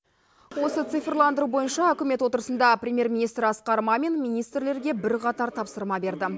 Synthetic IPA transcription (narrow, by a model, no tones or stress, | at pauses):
wo̞sət̪sɨfrlˠɑnd̪əɾubo̞jənʃɑɵkʲɪme̞t̪wo̞t̪əɾəsənd̪ɑpɾʲemʲje̞ɾmʲinijst̪ɾɑsqɑɾmɑmenmʲijnijst̪rle̞ɾɡʲe̞bɪɾqɑt̪ɑɾt̪ʰɑpsəɾmɑbe̞ɾd̪ɪ